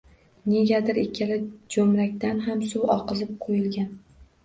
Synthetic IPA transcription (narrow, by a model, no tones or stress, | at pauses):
ne̞ɡʲad̪ɪɾekʲʰalɪd͡ʒomɾakʲt̪anɦamsuwɒqɨzɪp̚qʰojɪlɡʲan